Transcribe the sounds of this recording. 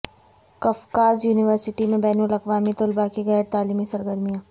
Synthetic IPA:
kɐfkaːzjuːnɪʋəɾsɪʈimẽbɛːnuːlɐkʋaːmit̪ʊlbakiɣɛːɾt̪aːliːmisɐɾɡəɾmijãː

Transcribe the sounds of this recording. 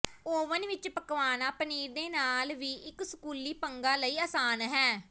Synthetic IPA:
oːʋənʋɪt͡ʃpəkʋaːnaːpəniːɾd̪eːnaːlʋiːʔɪksəkuːliːpəŋɡaːləiːəːsaːnɦɛː

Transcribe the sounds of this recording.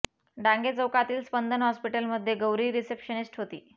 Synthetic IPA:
ɖãŋɡet͡səwkat̪iːlspənd̪ʱənɦɔspiʈəlməd̪ʱːjeɡəwɾiːɾisepɕənisʈɦot̪ḭː

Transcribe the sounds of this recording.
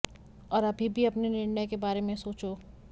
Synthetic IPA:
ɔːɾɐbʱibʱiɐpnenɪɾnəjkebaːɾemẽsoːt͡ʃo

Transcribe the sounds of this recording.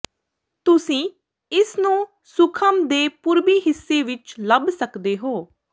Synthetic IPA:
t̪ʊsĩː | ɪsnũː | sʊkʰəmd̪eːpʊɾbiːɦɪsːeːʋɪt͡ʃləbsəkd̪eːɦoː

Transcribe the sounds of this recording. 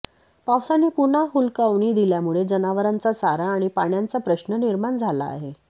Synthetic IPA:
pawsanːiːpun̤aɦulkaʋɳ̃iːd̪iljamuɭed͡zənaʋəɾant͡sasaɾaːɽ̃ipaɽjant͡sapɾəɕnəniɾmaɳd͡zʱala̰ːɦe

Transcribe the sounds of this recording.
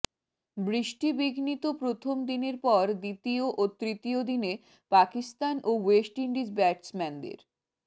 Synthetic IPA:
bɾiʃʈibiɡʱnit̪opɾot̪ʰomd̪ineɾpɔɾd̪it̪ioʔot̪ːɾit̪iod̪ine | pakist̪anʔowesʈiɳɖid͡ʑbɛʈsmɛnd̪ḛɾ

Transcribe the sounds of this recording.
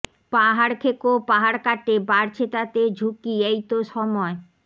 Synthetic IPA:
paɦaɾkʰekopaɦaɾkaʈebaɾt͡ɕʰet̪at̪ed͡ʑʱukiejt̪oʃɔmɔe

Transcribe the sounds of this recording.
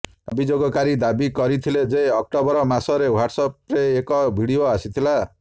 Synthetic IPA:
abʱid͡zoɡɔkaɾid̪abikʌɾit̪ʰiled͡zejʌk̚ʈɔbɔɾɔmasɔɾewaʈsɔp̚reːkɔbʱiɽijoasit̪ʰila

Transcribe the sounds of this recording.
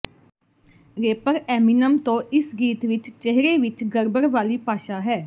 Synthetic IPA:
ɾeːpəɾɛːminəmt̪õːʔɪsɡiːt̪ʋɪt͡ʃt͡ʃəɦɾeːʋɪt͡ʃɡəɾbəɾʋaːliːpaːʃaːɦɛː

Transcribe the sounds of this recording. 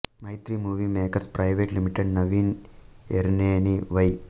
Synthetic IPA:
mɐjt̪ɾimuːʋiːmeːkɐɾspɾɐjʋeːʈlimiʈeɖnɐʋiːn | eɾneːniʋɐj

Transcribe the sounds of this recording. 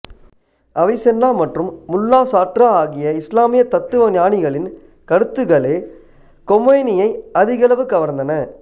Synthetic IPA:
ʔɐʋɐɪsɛnːaːmɐʈrɯmːʊlːaːsaːʈraːaːɣɪjɐɪslaːmɪjɐt̪ɐt̪ːɯʋɐnjaːɳɪɣɐɭɪn | kɐɾɯt̪ːɯɣɐɭeː | kɔmɐɪnɪjɐɪɐðɪɣɐlɐʋɯkɐʋɐɾnd̪ɐnɐ

